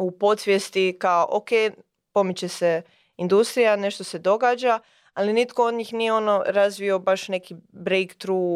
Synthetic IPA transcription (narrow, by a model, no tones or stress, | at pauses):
upo̞t̪sʋjest̪ikaoʔokej | po̞mit͡ɕe̞se | ind̪ust̪ɾijane̞ʃt̪o̞se̞d̪o̞ɡaːd͡ʒa | alinit̪ko̞o̞d̪ɲiːxnijeo̞noɾazʋio̞baʃne̞kibɾejkt̪ɾuː